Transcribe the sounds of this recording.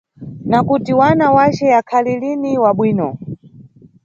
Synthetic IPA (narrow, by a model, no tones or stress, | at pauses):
nakutiwanawat͡ʃɛjakʰaliliniwaɓwiːnɔ